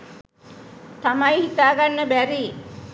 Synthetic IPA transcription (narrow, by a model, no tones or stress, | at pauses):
t̪amajhit̪aːɡanːəbæɾiː